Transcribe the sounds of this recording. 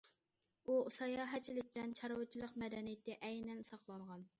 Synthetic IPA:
usɑjɑɦɛt͡ʃʰilɪk̚ʲblɛnt͡ʃʰɑɾwɨt͡ʃʰilˠəqmɛd̪ɛnijɪt̪ːɛʔɛjnɛnsɑqlˠɑɴʁɑn

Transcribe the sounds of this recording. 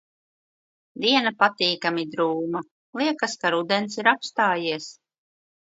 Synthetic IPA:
d̪iɛnapat̪iːkamid̪ɾuːma | lˠiɛkaskaɾud̪ɛnsiɾapst̪aːjiɛs

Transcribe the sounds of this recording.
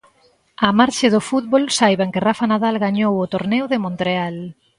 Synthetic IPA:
amaɾʃeðʊfut̪̚βolsajβaŋkɪrafanaðalɣaɲowʊt̪oɾnɛwðɪmõnt̪ɾeal

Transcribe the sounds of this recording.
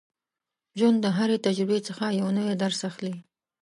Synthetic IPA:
ʒwand̪ːəɦaɾet̪ad͡ʒɾɪbet͡səxajawnəwed̪aɾsaxli

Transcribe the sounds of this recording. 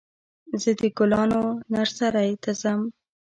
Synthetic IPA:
zəd̪əɡʊlɑnonaɾsaɾajt̪azam

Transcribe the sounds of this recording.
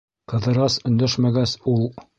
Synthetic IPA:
qɤ̆ðɤ̆ɾɑsɵ̆nd̪æʃmæɡæsulˠ

